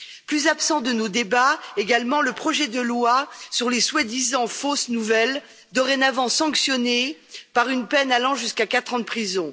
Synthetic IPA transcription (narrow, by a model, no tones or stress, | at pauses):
plyzapsɑ̃d̪ənod̪ebaeɡalmɑ̃ləpχɔʒɛd̪əlwasyʁleswad̪izɑ̃fosnuvɛl | d̪ɔʁɛnavɑ̃sɑ̃ksjɔnepaʁynpɛnalɑ̃ʒyskakat̪χɑ̃d̪əpχizɔ̃